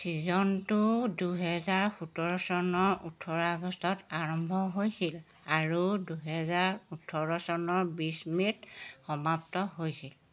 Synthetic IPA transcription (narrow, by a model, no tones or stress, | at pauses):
sizɔntʊduɦɛzaɹxutɔɹɔsɔnɔɹutʰɔɹaɡɔstɔtaɹɔmbʱɔɦojsil | aɹuduɦɛzaɹutʰɔɹɔsɔnɔɹbismitxɔmaptɔɦojsil